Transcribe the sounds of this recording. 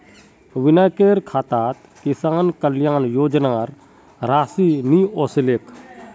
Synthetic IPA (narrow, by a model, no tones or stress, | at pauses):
ʋɪnaːkeːɾkʰaːt̪aːt̪ | kɪsaːnkəljaːnjoːd͡ʒnaːɾ | ɾaːsinioːseleːkʰ